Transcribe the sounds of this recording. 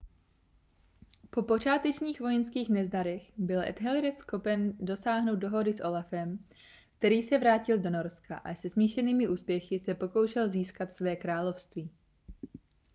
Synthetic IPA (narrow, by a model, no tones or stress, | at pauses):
po̞po̞t͡ʃaːt̪ɛt͡ʃɲiːxvo̞jɛnskiːxnɛzdaɾɛxbɪlʔɛ̰t̪ɦɛlɾɛsxo̞pɛndo̞saːɦno̞wt̪̚do̞ɦo̞dɪsʔo̞lafɛm | k̚t̪ɛɾiːsɛvɾaːcɪldo̞no̞ɾska̰ʔasɛzmiːʃɛniːmɪʔuːspjɛxɪsɛpo̞kowʃɛlziːskat̪svɛːkɾaːlo̞fst̪viː